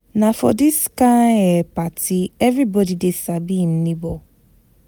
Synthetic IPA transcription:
nafɔ̰dɪskaepatʰiɛvɾibɔdidesabin̩nibɔ

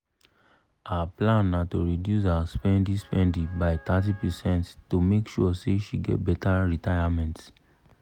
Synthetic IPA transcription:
aaplãnːatoɹidjus̬aaspɛ̃ndĩspɛ̃ndĩbaɪt̪atipɛsɛ̃nttomekʃuɔseʃiɡɛ̰t̚bɛtaɹitajamɛ̃nt

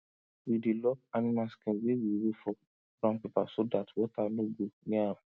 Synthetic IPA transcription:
widilɔkanimaskɛ̃wewiwefɔ | ɾãnpipa̰sodatwɔtanõɡonĩã

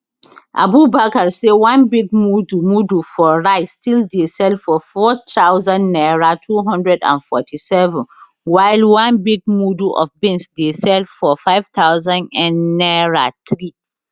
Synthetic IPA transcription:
ʔa̰bubakaɹsewãnbiɡ̚mudumudufɔɹaɪstildesɛlfɔfɔtʰawzãnːɛɹatʰuɦɔ̃ndɹɛdã̰nfɔ̰tʰisɛvɛ̃n | waɪlwãnbiɡ̚muduʔɔ̰fbĩnsdesɛlfɔfaɪv̥t̪ʰaʊzãnɛ̃nːɛɹat̪ɹi

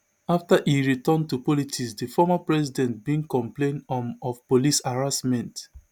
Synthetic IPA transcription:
aftaʔiɹitɔ̃ntupɔlitʰisdəfɔmapɹɛsidɛ̃nt̚bĩŋkɔ̃mplẽndɔ̃mɔfpolisaɹasmɛ̃nt

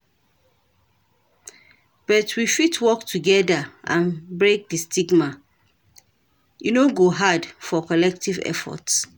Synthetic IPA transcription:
b̥ɔtʰwifitʰwɔktʰuɡɛdaʔã̰nbɹek̚distʰiɡma | junoɡoɦadfɔkɔlɛk̚tʰivɛ̰fɔ̰ts

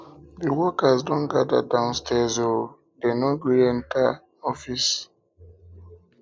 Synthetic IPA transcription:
diwɔkasdɔ̃nɡada̰dãʊ̃nstʰɛzo | denoɡiɾɛ̃nta | ɔfis

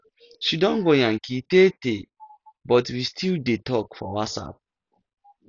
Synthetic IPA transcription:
ʃidɔ̃nɡoj̃ãŋ̩kitete | bɔtwistʰildetɔkfɔ̰wasa̰p̚

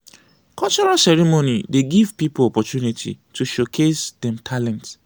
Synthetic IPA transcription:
kʰɔt͡ʃɔɹasɛɹimonideɡivpipʊɔpɔtjunitʰḭtʰuʃokʰesdɛ̃mtʰalɛ̃nt

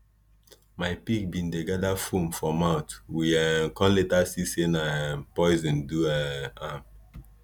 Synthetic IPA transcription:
majpik̚bĩndeɡadafũmfɔ̃maʊtwiɛkɔ̃nletasisẽnapɔɪzɛ̃nduɛam

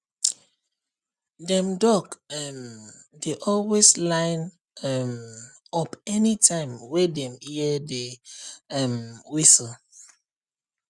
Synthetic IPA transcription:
dɛ̃mdɔkɛmdeʔɔlweslãɪn | ɛm | ɔpɛnitʰãɪ̃mwɛdɛ̃miɛde | ɛmwisl

